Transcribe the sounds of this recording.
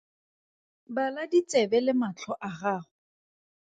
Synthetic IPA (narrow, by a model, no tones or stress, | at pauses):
baladit͡sɛbɛlɪmat͡ɬʰɔʔaχaːχʊ